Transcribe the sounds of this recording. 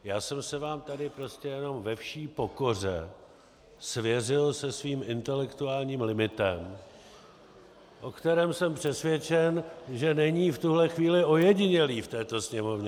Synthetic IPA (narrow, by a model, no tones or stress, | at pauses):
jaːsɛmsɛvaːmt̪adɪpɾo̞scɛjɛno̞mvɛfʃiːpo̞ko̞r̝ɛ | svjɛrɪlsɛsviːmʔɪnt̪ɛlɛkt̪uaːlɲiːmlɪmɪt̪ɛm | ʔo̞kt̪ɛɾɛːmsɛmpr̝̥ɛsvjɛt͡ʃɛnʒɛnɛɲiːft̪uɦlɛxviːlɪʔo̞jɛɟɪɲɛliːft̪ɛːt̪o̞sɲɛmo̞vɲɛ